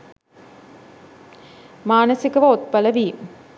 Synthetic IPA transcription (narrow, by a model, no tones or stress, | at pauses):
maːnəsikəʋɐot̪̚pələʋiːm